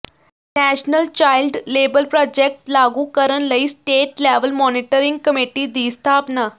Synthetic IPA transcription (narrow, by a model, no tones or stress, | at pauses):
næɕnəlt͡ɕailɖlebəlpɾɔd͡ʑek̚ʈlaɡuːkəɾənləiːsʈeʈleʋəlmɔniʈəɾiŋɡ̚kəmiʈiːd̪ist̪ʰapna